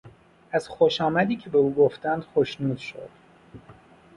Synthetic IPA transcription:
ʔæz̥xoʃɒːmæd̪iːcʰe̞be̞uːɡoft̪ænd̪̥xoʃnuːd̪ʃo̰d̪̥

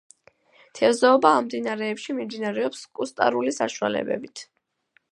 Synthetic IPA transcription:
t̪ʰɛzɔɔbaːmd̪inaɾɛːpʃimimd̪inaɾɛɔpskʼust̪ʼa̰ɾulisa̰ʃua̰lɛ̰bɛ̰bit̪ʰ

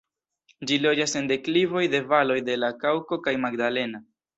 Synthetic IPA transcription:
d͡ʒilo̞d͡ʒase̞nde̞klivo̞jde̞valo̞jde̞lakawko̞kajmaɡdale̞na

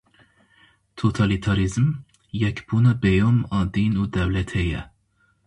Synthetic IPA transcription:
t̪ʰot̪ʰɑlit̪ʰɑɾizm | jɛkʰb̥unɛbɛjɔmɑd̪inud̪ɛvlɛt̪ʰhɛjɛ

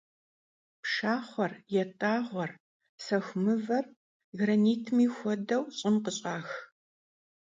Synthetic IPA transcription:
pʂaːχʷɔrjɛtʼaːʁʷɔr | sɐxʷmɨvɐr | ɣrɐniːtʰmiːxʷɔdɐwɕʼɪnqəɕʼaːx

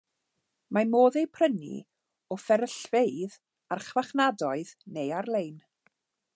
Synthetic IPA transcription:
mamoːðejpʰrənḭ | ɔfɛɾəɬvejð | arχvaχnadɔɨðnejarlˠejn

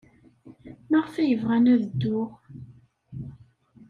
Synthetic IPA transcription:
maʁfæjəvʁænæðəd̪ːʊʁ

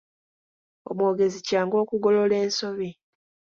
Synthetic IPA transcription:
o̰mwo̞ːɡe̞zicaːŋɡo̞ːkuɡo̞lo̞le̞ːnso̞βi

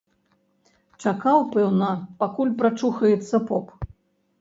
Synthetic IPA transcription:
t͡ʂakawpɛwnɐpakulʲpɾat͡ʂuxɐjɛt̪sːɐpɔp

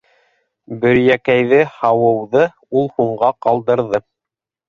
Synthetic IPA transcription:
bɵ̆ɾjækæjðɘhɑwɤ̆wðɤ | ulˠhuɴɢɑqɑlˠd̪ɤ̆ɾðɤ

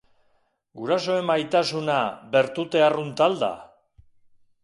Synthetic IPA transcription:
ɡuɾaso̞e̞majt̪asunabe̞ɾt̪ut̪e̞arunt̪ald̪a̰

